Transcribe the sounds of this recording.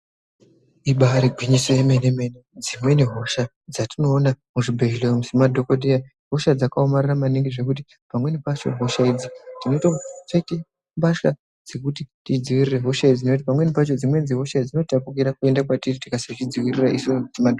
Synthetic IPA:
iɓaɾiɡʱwiɲiseemeneme̞ned͡zimwe̞neɦo̞ʃa | d͡zatino̞ːnamuʐibʱeɦilomusimadʱo̞kodia | ɦo̞ʃad͡zakaomariramaniŋɡiʐe̞k̬ut̬i | pamwe̞nepat͡ʃo̰ɦo̞ʃaid͡zitino̞itat͡ʃaite | mbaʃka | d͡ze̞kutitid͡ziwirire̞ɦo̞ʃaid͡zinot̬ipamwe̞nepat͡ʃod͡zimwe̞d͡ziɦo̞ʃad͡zino̞tapukiɾakue̞ndakwatiritikasat͡ʃid͡ziwiriraʔisomusimadʱo

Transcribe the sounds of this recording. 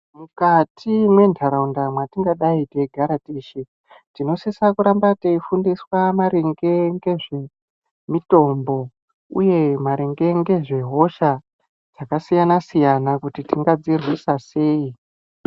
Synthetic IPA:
mukatʰimwe̞ndʱaɾaundamwatiŋɡaɗaiteɡʱaɾatiʃi | tino̞sisakuɾambataifundiswamaɾeŋɡe̞ŋɡe̞ʐe | mito̞mbo̞ | ṵje̞maɾeŋɡe̞ŋɡe̞ʐe̞ɦo̞ʃa | d͡zakasijanasijanakutitiŋɡad͡zirwisase̞ːi

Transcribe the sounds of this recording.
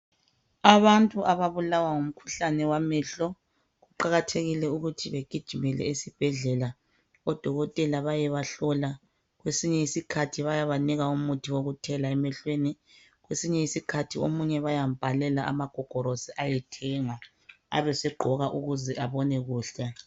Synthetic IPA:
aβantʼuʔaβaβulawaŋum̩kʰu̥ɬanɛwamɛɬɔ | ɣuǃaɣatʰeɣilɛuɣutʰiβeɡ̥ʱid̥ʒ̥ʱimɛlɛ̰isib̥ʱɛɮɛla | ɔd̥ʱɔɣɔtʼɛlaβajɛβaɬɔla | ɣwesiɲɛisikʰatʰiβajaβaniɣaumutʰiwoɣutʰɛlaɛmɛɬweni | ɣwesiɲɛisikʰatʰiomuɲɛβajam̩b̥ʱalɛlaʔa̰maɡ̥ʱɔɡ̥ʱɔɾosiʔajɛtʰɛŋa | a̰βɛsɛɡ͡ǃʱɔɣaʔuɣuzɛʔaβɔnɛɣuːɬɛ

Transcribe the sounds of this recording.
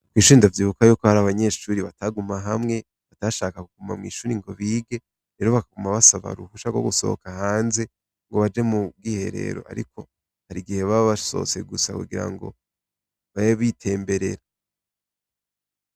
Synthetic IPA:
kwiːʃuiːindavjiːβukajuːko̞haɾaβaɲe̞ːʃuːɾiβataɡumaɦamŋe̞ | βataʃaːkakuɡ̥uma̰mŋḭːʃuːɾiŋɡo̞βiːɡe̞ | ɾe̞ːɾo̞βakaɡumaβasaβa̰ɾuhuʃaɡwo̰ɡuso̞̰o̰kahaːnze̞ | ŋɡo̞βad͡ʒe̞muɡihe̞̰ɾe̞̰ːɾo̞̰ʔa̰ɾḭkʰo̞ | haɾiɡihe̞βaaβaso̞̰t͡se̞̰ɡusa̰kuɡiɾa̰ŋɡo̞̰ | βajaβitʰe̞ːmbe̞ɾe̞̰ɾa

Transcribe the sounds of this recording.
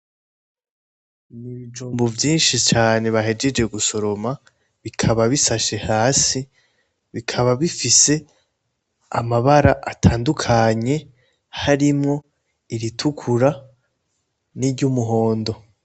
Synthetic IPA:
niβid͡ʒuːmbovjiːnʃit͡ʃaːne̞βaɦe̞d͡ʒe̞d͡ʒe̞ɡuso̞ɾo̞ma | βikʰaβaβisaʃe̞haːsi | βikʰaβaβifise̞ | a̰maβaɾaʔatʰaːndukʰaɲe̞ | haɾimŋo̞ | iɾitʰukʰuɾa | niɾɟumuɦo̞ːndo̞

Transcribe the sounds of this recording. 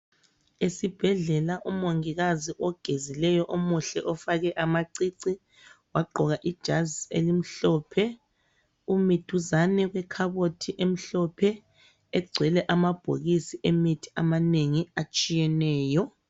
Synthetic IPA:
esib̥ʱɛɮɛlaʔumoŋiɣaziʔɔɡ̥ʱezilɛjɔʔomuɬɛʔɔfaɣɛʔamaǀiǀi | waɡ͡ǃʱɔɣaʔid̥ʒ̥ʱaziḛlim̩ɬɔːpʰɛ | umid̥ʱuzanɛɣwɛkʰaβotʰiʔem̩ɬɔpʰɛ | ɛɡ͡ǀʱwɛlɛʔamab̥ʱo̰ɣisiʔemitʰi̥amaneŋiat͡ʃʼijɛnɛːjɔ

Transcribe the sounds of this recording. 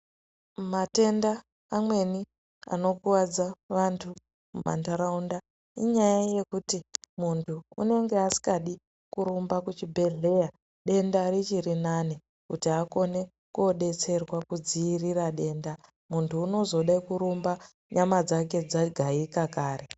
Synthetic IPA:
mate̞ndaː | mwe̞ni | a̰no̞kuwad͡zaʋantʰu | muma̰ntaɾaunda | ḭɲajaje̞kutimuntʰuːne̞ŋɡe̞asi̥kaɗi | kuɾumbakut͡ʃibʱe̞ɮe̞ja | ɗe̞ndaɾit͡ʃirinane | kutiako̞ne̞ | kuoɗe̞t͡se̞rwakud͡ziːriraɗe̞ːnda | muntʰuːno̞zo̞ɗaikuɾumba | ɲamad͡zake̞d͡zaɡʱaikakaːre̞

